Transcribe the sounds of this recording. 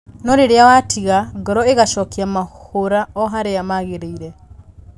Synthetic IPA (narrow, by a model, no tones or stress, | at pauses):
nɔɾeɾeawatʰiɣaɡɔɾɔeɣaʃɔkiamaoɾaɔɦaɾeamaɣeɾeiɾɛ